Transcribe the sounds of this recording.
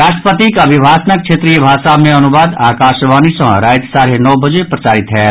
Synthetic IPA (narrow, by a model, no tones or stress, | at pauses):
ɾaːʃʈəpət̪ikɐbʱibʱaːsnək̚t͡ʃʰeːt̪ɾiːəbʱaːsaːmẽɐnuʋaːd̪aːkaːʃʋaːnisɐ̃ɾaːjt̪saːɾenɔːbəd͡ʒepɾɐt͡ʃaːɾɪt̪ɦɛː